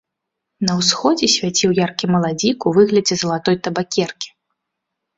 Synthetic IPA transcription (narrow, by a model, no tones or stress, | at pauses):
nɐwsxɔd͡zʲɛsʲvʲat͡sʲiwjarkʲimɐlˠad͡zʲikuvɨɣlʲɐd͡zʲɛzɐlˠat̪ɔjt̪ɐbakʲɛrkʲi̥